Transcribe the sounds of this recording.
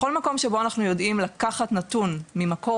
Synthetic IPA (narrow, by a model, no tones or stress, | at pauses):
o̞lmako̞mʃebo̞anaχnujo̞dimlakaχatnatunmimako